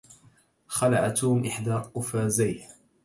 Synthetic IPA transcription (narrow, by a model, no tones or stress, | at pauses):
xɑlaʕat̪umʔɪħd̪aqʊfaːzaj